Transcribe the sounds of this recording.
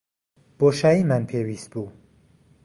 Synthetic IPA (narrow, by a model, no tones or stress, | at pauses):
b̥oːʃaːiːmanpʰewiːst̪̚buː